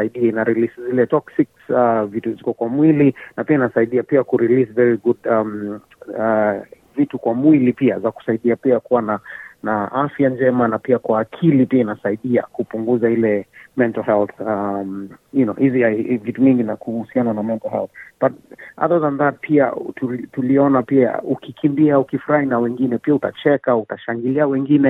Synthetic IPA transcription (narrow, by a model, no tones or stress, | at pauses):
aiɗiainaɾiliszilɛtɔksiksavituzikɔkwamwilinapiainasaiɗiapiakuɾilisvɛɹiɡudam | a | vitukwamwilipiazaku̥saiɗiapiakuwananaʔafjand͡ʒɛmanapiakwaːkʰilipiainasaiɗiakupuŋɡuzahilɛmɛntalhɛlθamjunɔhivivituviŋɡinakuhusiananamɛntalhɛ̰lθbata̰ðɔzanðad̚pʰia̰tutuliɔnapia̰ukikʰimbiaukifuɾahinawɛŋɡinɛpiauta̰t͡ʃɛkautaʃaŋɡiliawɛŋɡinɛ